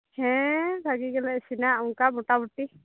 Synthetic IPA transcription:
hɛ̃bʱaɡiɡɛlɛsinaʔuŋkamɔʈabuʈi

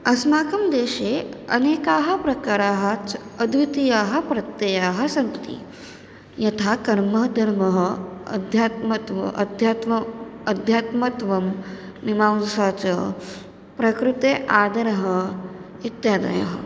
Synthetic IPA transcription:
ɐsmaːkɐmd̪eːʃeːɐ̰neːkaːɦɐ̆pɾɐkaːɾaːɦɐt͡sɐd̪ʋit̪ijaːɦɐ̆pɾɐt̪jɐjaːɦɐ̆sɐŋt̪ḭ | jɐt̪ʰakɐɾmɐɦd̪ʱɐɾmɐɦɐɐ̰d̪ʱjaːt̪mɐt̪ʋ̰ʔɐ̰d̪ʱjaːt̪mɐɐd̪ʱjaːt̪mɐt̪ʋɐmː | imaːwsaːt͡ʃɐ | pɾɐkɾut̪eːʔaːd̪ɐɾɐɦɐ̆ | it̪jaːd̪ɐ̰ja̰ɦɐ

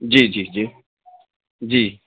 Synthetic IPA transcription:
d͡ʒid͡ʒid͡ʒi | d͡ʒi

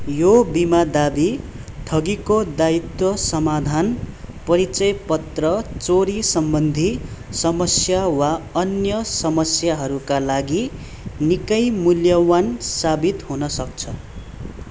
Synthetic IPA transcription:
jobimad̪abit̪ʰʌɡikod̪ait̪wʌsʌmad̪ʱanpʌɾit͡sʌjpʌt̪rʌt͡soɾisʌmbʌnd̪ʱisʌmʌsjawaʌnjʌsʌmʌsjaɦʌɾukalaɡi | nikʌjmuljʌwansabit̪ɦunʌsʌk̚t͡sʰʌ

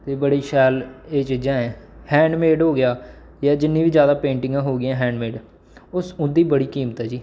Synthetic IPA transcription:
t̪eːbəɽiːʃɛːleːt͡ʃd͡ʒãːẽhɛ̃ːɳɖmeːɖɦoːɡɪjaː | jaːd͡ʒɪnːĩːʋiːd͡ʒjaːd̪aːpẽːɳʈɪŋɡãːɦoːɡɪãːɦɛ̃ːɳɖmeːɖ | ʊsʊd̪iːbəɽiːkiːmət̪ɦɛːd͡ʒiː

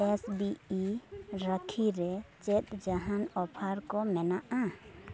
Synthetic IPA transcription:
esbiːɾəkʰiɾet͡ʃet̪d͡ʒəɦənɔpʰaɾkomɛnaʔã

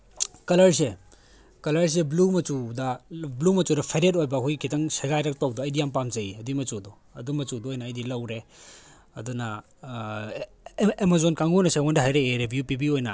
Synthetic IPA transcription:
kɐlɐɾs̬e | kɐlɐɾs̬eblumɐt͡ʃudɐblumɐt͡ʃudɐpʰeɾet̬̚ojbɐkʰujɡikʰitɐŋseɡajɾɐk̚towduɐjdijampamzɐiɐdimɐt͡ʃudu | ɐdumɐt͡ʃuduojnɐːjdilɐwɾe | ɐ̰dunɐ | emazonkaŋunɐseondɐɦajɾeeɾebʱjupibiojnɐ̰

